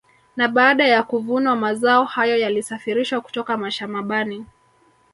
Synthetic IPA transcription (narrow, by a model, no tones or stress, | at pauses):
naɓaːɗajakuvunwamazaɔhajɔjalisafiɾiʃwaku̥tɔkamaʃamaɓani